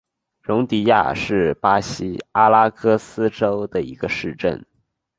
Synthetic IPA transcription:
ɻʊ˧˥ŋt̪i˧˥ja̰˥˧ʂɻ̩˥˩pa˥ɕi˥a˥la˥kʰɤ˥sɹ̩˥ʈ͡ʂo˥ʊd̪ə˨ḭ˧˥ɡ̥ə˧ʂɻ̩˥˧ʈ͡ʂə̰˥˩n

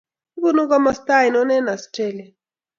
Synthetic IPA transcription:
i˦bu˦nu˦ka˦ma˦st̪a˦i˨nɔ˦nɛ˦na˨stɛ˦lɛ˨

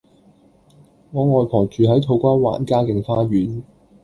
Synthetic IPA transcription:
ŋɔː˨˧ŋɔː˨jpʰɔː˨˩t͡ʃyː˨ɦɐ˨˥jt̪ʰo˨˧wkʷaː˥nwa̰ː˨nkaː˥kɪ˨ŋfaː˥ɥyː˨˥n

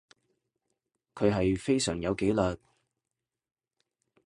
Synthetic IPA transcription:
kʰɵ˨˧ɥɦɐ˨jfe˥jsœː˨˩ŋjɐ˨˧wke˨˥jlœː˨t̚

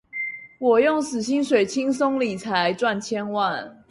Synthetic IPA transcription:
wɔ˨˩jʊ˥˨ŋsɹ̩˨˩ɕi˦ŋʂwe˨˩ɪt͡ɕʰi˥ŋso˦ŋli˨˩t͡sʰa˨˦ɪʈ͡ʂwa˥˨nt͡ɕʰjɛ˦nwa˥˨n

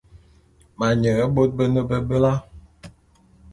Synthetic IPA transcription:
ma˨ɲə˨ə˦bo˦t̚bə˦nə˦bə˦bə˦la˦

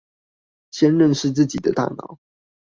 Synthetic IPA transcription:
ɕjɛ˥nɻə˥˧nʂɻ̩˥˧t͡sɹ̩˥˩t͡ɕi˨˩d̪ə̰˦t̪a̰˥˩nɑ̰˨˩˦ʊ

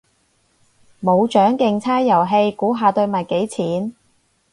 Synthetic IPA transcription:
mo˨˧wt͡ʃœː˨˥ŋkɪ˧ŋt͡sʰaː˥jjɐ˨˩wɦe˧jkuː˨˥ɦaː˨˧t̪ɵ˧ɥmɐ˨t̚ke˨˥jt͡sʰiː˨˥n

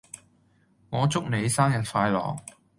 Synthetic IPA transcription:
ŋɔː˨˧t͡sʊ˥k̚ne˨˧jsaː˥ŋjɐ˨˩t̚faː˧jlɔ̰ː˨˩ŋ

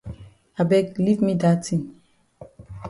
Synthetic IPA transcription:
a˨bɛ˦kli˦vmi˦da˦tʰĩ˨n

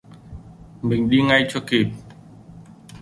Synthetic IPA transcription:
mï˨˩ŋ̟ɗi˧ŋa˧jt͡ɕɔ˧ki˨˩t̚

